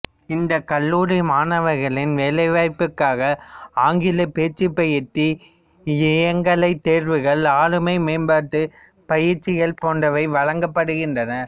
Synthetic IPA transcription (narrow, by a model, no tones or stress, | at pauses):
ɪnd̪ɐkɐlːuːɾɪmaːnɐʋɐɾɣɐɭɪnʋelɐɪʋaːɪpːɯkːaːɣɐaːŋɡɪlɐpeːt͡ʃːɪpːɐjɪʈːi | ɪjɐŋɡɐlɐɪt̪ːeːɾʋɯɣɐɭaːɻɯmɐɪmeːnbaːʈːɯ | pɐjɪɾt͡ʃːɪɣɐɭpoːnɖɐʋɐɪʋɐɻɐŋɡɐpːɐɽɯɣɪndrɐnɐ